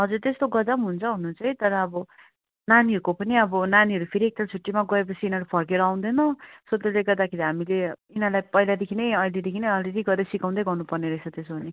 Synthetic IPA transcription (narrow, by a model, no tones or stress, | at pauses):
ɦʌd͡zuɾt̪est̪oɡʌd͡zamɦunt͡sʰʌɦunut͡sʰʌjt̪ʌɾʌːbʌ | naniɦʌɾukopʌniʌbʌnaniɦʌɾupʰeɾiek̚t̪at͡sʰuʈːimaɡʌep̬ʌt͡sʰiːnʌɾupʰʌrkeɾʌaw̃nd̪ʌnʌsot̪ːeleɡʌrd̪akʰeɾiɦamileinãlajpʌjlad̪ekʰinʌjʌlid̪ekʰinʌjʌled̪iɡʌɾeɾsikãw̪̃d̪ʌjɡʌrnupʌrneɾʌesʰʌt̪esobʌne